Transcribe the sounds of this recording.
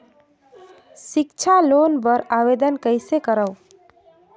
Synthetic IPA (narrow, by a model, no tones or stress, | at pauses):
sɪkt͡ʃʰalonbəɾaʋed̪ənkəɪsekəɾəʊ